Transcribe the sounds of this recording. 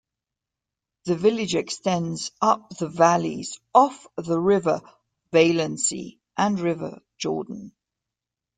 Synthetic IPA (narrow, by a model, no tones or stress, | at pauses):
ðəvɪlɪd͡ʒɛkstɛ̃ndz̥ʌp̚ðəvalḭz̥ɒfðəɹɪvə | veɪlə̃nsḭ | ʔə̃nɹɪvə̰ | d͡ʒɔ̰ːdⁿn̩